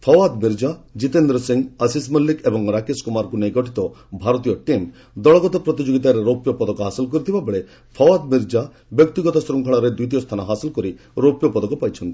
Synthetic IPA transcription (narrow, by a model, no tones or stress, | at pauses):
pʰɔwad̪miɾd͡ʒad͡ʒit̪end̪ɾɔsiŋəsismɔlːikebɔŋɾakeskumaɾɔkunejɡɔʈʰit̪ɔbʱaɾɔt̪̬ijɔʈim | d̪ɔɭɔɡɔt̪ɔpɾɔt̪id͡ʒoɡit̪aɾeɾopjɔpɔd̪ɔkɔɦasilkɔɾit̪ʰibʱabeɭe | pʰɔwad̪miɾd͡ʒa | bjɔkt̪iɡɔt̪ɔsɾuŋkʰɔɭ̃ɔɾed̪ujt̪̬ijɔst̪ʰanɔɦasilɔkɔɾi | ɾopjɔpɔd̪ɔkɔpajt͡ʃʰɔnt̪i̥